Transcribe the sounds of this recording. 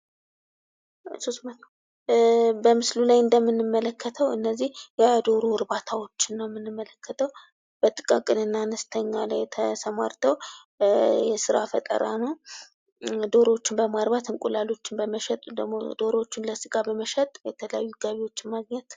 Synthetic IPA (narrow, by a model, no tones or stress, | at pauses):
sosmat̪ | bəmɨslulajɨnd̪əmːɨnːɨmːələkːət̪ʰəwɨnːəzːihjad̪o̞ɾoɾbat̪ʰawo̞t͡ʃːɪnːəwmːɨnːɨmːələkːət̪ʰəw | b̥ət̪ʼɨkʼakʼɨnɨnːanəst̪ʰəɲːalajt̪ʰəsəma̰ɾt̪ʰəw | jɛsɨɾafət̪ʼə̰ɾa̰nəw | d̪o̞ɾot͡ʃːɪnbəmaɾβat̪ɨŋkʼulalo̞t͡ʃːɪnbəməʃɛt̪ʼd̪əmo̰d̪o̞ɾo̞t͡ʃːɪnləsɨkʼabəməʃɛt̪ʼjɛt̪ʰələjajːuɡaβiwo̞t͡ʃːɪnmaɡɲɛt̪